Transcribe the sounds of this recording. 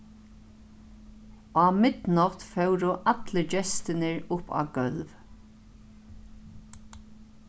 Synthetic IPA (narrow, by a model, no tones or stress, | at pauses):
aːmɪt̪nɔt̪fɛwɾʊʔat̪ləd͡ʒɛst̪ɪnɪɹʊpa̰ːɡœlʋ